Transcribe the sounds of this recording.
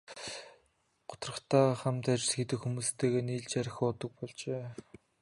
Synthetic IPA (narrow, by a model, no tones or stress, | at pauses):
ɢ̥ʊ̥t̪rə̆χt̪ʰaːχamt̪at͡ɕɪ̆ɮxet̪ɘ̆kxumuːst̪ʰeːɣeːniːɮt͡ɕaɾʲɪ̆xʊːt̪ə̆k̚pɔɮt͡ɕeː